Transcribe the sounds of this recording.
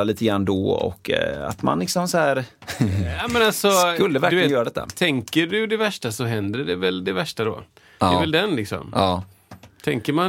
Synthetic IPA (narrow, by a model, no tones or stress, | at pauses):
aliːt̪ʰəɡɾanːd̪ɔɔ̰kːa̰t̪ma̰nlɪksɔmsɔhæːɾ | amɛnalsɔkɵlːdvæɾk̪ɪəjœːɾad̪ɛt̪ːa̰t̪ʰɛŋkəɖɵd̪ɛvæʂʈasɔɦɛnd̪əɖɛvɛld̪ɛvæʂʈad̪ɔ̰ː | d̪ɛːvɛld̪ɛnlɪksɔ̰mɑː | t̪ʰɛŋkəɾma